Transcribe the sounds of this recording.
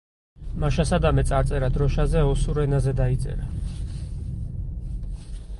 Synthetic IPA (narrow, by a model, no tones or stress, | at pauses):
maʃasad̪amɛt̪sʼaɾt̪sʼɛɾad̪ɾɔʃazɛɔsuɾɛnazɛd̪ait̪sʼɛ̰ɾa